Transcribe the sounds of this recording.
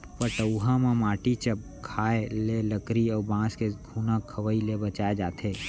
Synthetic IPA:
pəʈəuɦãmãmaːʈit͡ʃəp̚ | kʰaːeleləkɾiɔːbãːskeɡʱuːnãkʰəʋəilebət͡ʃaːed͡ʒaːt̪ʰeː

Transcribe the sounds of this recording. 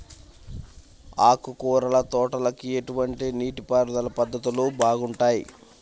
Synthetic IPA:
aːkukuːɾɐlɐt̪ɔːʈɐlɐkieʈuʋɐɳʈiniːʈipaːɾud̪ɐlɐpɐd̪ːɐt̪ulubʱaːɡuɳʈaːjḭ

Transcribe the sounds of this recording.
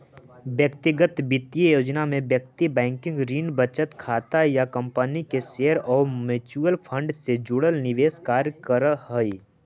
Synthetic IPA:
bjəkt̪ɪɡət̪bɪt̪ijəjoːd͡ʒnamẽbjək̚t̪ibɛ̃ːŋkɪ̃ŋɡɾiːnbət͡ʃət̪kʰaːt̪ajakə̃mpənikeʃeəɾɔːɾmɪt͡ʃuəlpʰə̃ɳɖsed͡ʒʊɽəlnɪʋeːskaːɾkəɾɦoi

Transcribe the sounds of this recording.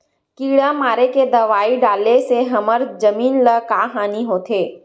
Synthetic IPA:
kiːɽamaːɾeked̪ɐʋaːiɖaːleseɦɐməɾd͡ʒɐmiːnləkaːɦaːniɦoːt̪ʰeː

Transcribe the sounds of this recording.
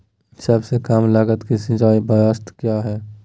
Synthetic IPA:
səbsekaːmlaːɡət̪kisɪ̃d͡ʒaːibəjaːst̪kjaɦɛː

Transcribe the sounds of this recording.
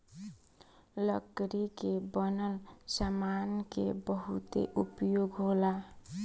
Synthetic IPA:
lʌkɾikebʌnəlsamankebəɦut̪ḛʔupjoɡɦola

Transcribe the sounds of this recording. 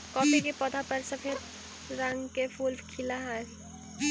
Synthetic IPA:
kɔːpekepəd̪ʱapəɾsəpʰeɾ | ɾə̃ŋɡkepʰulbkʰilaɦa

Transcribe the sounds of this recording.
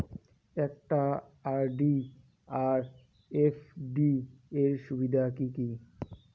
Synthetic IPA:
ɛk̚ʈa | aɾɖi | aɾ | efɖieɾʃubid̪ʱakiki

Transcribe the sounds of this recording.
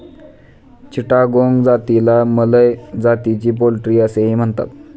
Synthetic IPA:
t͡ɕiʈaɡoŋɡd͡zat̪ilamələjd͡zat̪it͡ɕiːp̬olʈɾiːəseɦim̤əɳt̪a̰t̪̚

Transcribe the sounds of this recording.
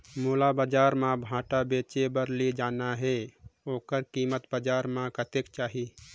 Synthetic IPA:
moːlabəd͡ʒaɾmãbʱãːʈabet͡ʃebəɾlid͡ʒaːnaɦɛoːkəɾkimət̪bəd͡ʒaːɾmãkət̪ekt͡ʃaːɦi

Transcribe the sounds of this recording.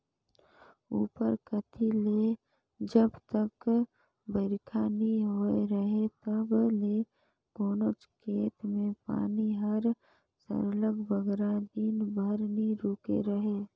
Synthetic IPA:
ṵːpəɾkət̪ʰileː | d͡ʒəbt̪ək | bəɾkʰaniɦoeɾəɦet̪əbleː | ɡoːnot͡ʃkeːt̪mẽpa̰ːniɦɐɾ | sə̰ɾləɡbəɡɾãd̪iːnbʱəɾniɾoːkḛɾəɦeː

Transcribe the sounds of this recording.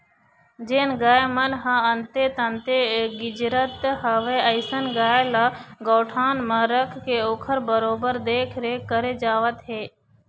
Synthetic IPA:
d͡ʒeːnɡaːemənɦəənt̪et̪ənt̪eɡɪd͡ʒɾət̪ɦəʋeəɪsənɡaːjlaɡoːʈʰaːnmə̃ɾəkʰkeoːkʰəɾbəɾoːbəɾd̪eːkʰɾekəɾed͡ʒaːʋət̪ɦeː

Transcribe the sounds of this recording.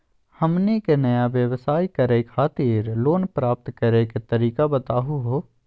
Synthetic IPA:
hɐmnekenɐjaʋjəʋsaːikɐɾekʰaːt̪ɪɾloːnpɾaːp̚t̪kɐɾeket̪ɐɾiːkabɐt̪aːɦuɦoː

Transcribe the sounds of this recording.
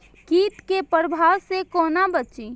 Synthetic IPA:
kiːt̪kepəɾbʱaːwsekoːnabət͡ʃi

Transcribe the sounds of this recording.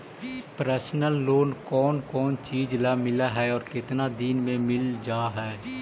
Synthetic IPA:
pɾɛːsnəlːoːnkɔːnkɔːnt͡ʃiːd͡ʒlaːmɪlaɦɛɔːɾkɪt̪nad̪inmẽmɪld͡ʒaːɦɛː

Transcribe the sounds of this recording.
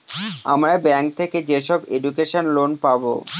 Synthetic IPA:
a̰mɾaebɛŋk̚t̪ʰeked͡ʑeʃɔbeɖukeʃonlonpabo̰

